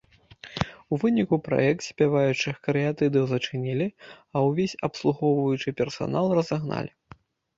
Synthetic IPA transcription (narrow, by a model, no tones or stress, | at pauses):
uvɨnʲikupɾa̰jɛk̚t̪sʲpʲavajut͡ʂɨkɾɨjat̪ɨd̪ɨwzɐt͡ʂɨnʲilʲiɐwvʲesʲɐpslˠuɣɔwvɐjut͡ʂɨpʲɛrsa̰nalˠrɐzaɣna̰lʲi